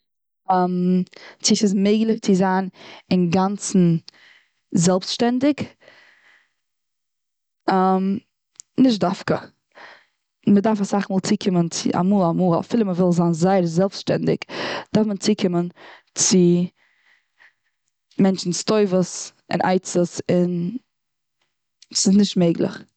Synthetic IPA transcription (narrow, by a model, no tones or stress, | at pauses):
amt͡sɪsɪsmeɪɡlˠɪt͡sɪzaːnɪnɡant͡sn̩ | zɛlˠpsʃtɛndɪk | am | nɪʃ̬dafkə | mədaɾfasaχmɔːlˠt͡siːkʰɪmənt͡sɪ̰ʔa̰muːlˠamuːlˠa̰fɪlˠəməvɪlˠzaːnzaɪəɾzɛlˠpstʃtɛ̰ndɪ̰kd̥aɾfmət͡siːkʰɪmən | t͡sɪ | mɛnt͡ʃn̩stoɪvəsɪ̰nʔa̰ɪt͡səsɪn | sɪsnɪʃtmeɪɡlˠɪ̰χ